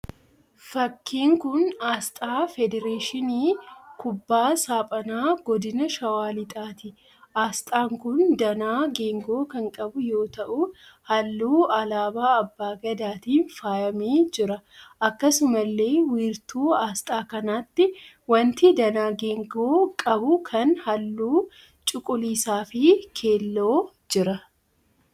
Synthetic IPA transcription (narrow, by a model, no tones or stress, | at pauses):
fɐkːiːŋkʊnaːst̪ʼaːfɛd̪ɛɾeːʃɪniːkʊbːaːsaːpʼɐnaːɡɔd̪ɪnɐʃɐwaːlɪt̪ʼaːt̪ɪ | ʔaːst̪ʼaːŋkʊnd̪ɐnaːɡeːŋɡoːkɐŋkʼɐbʊjo̞ːt̪ɐʔʊhɐlːuːɐlaːbaːɐbːaːɡɐd̪aːt̪iːnfaːjɐmeːd͡ʒɪɾɐʔɐkːɐsʊmɐlːe̞ːwiːɾt̪uːaːst̪ʼaːkɐnaːt̪ːɪ | wɐnt̪ɪd̪ɐnaːɡe̞ːŋɡoːkʼɐbʊkʰɐnhɐlːuː | t͡ʃʼʊkʼʊliːsaːfɪkʰe̞ːlːo̞ː | d͡ʒɪɾɐ